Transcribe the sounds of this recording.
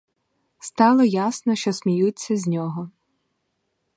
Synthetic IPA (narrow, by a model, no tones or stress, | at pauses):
st̪ɑlˠɔjasnɔʃt͡ʃɔsʲmʲijut͡sʲːɐzʲnʲɔɦɔ